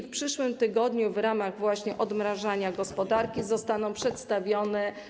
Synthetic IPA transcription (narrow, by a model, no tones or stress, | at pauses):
fpʂɘʂwɘmt̪ɘɡɔd̪ɲuvɾamaɣvwaɕɲɛʔɔd̪mɾaʐaɲaɡɔspɔd̪aɾkʲizɔst̪anɔ̃w̃pʂɛt̪st̪avʲjɔnɛ